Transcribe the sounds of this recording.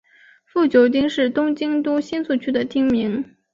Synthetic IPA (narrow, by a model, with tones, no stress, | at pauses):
fu˥˩t͡ɕjo˧˥ʊt̪i˥ŋʂɻ̩˥˩t̪ʊ˥ŋt͡ɕi˥ŋt̪u˥ɕi˥nsu˥˩t͡ɕʰy˥d̪ə˨t̪ʰi˥ŋmi˧˥ŋ